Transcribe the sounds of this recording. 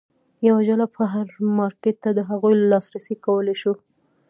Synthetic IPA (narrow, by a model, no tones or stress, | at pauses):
jawad͡ʒalapʰəɦaɾmɑɾket̪t̪ːad̪əɦaɣujlɑsɾasikawəleʃu